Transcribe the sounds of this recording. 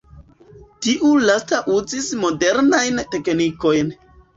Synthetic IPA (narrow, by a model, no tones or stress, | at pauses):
tiʔulastaʔuzismo̞de̞ɾnajnte̞kniko̞jn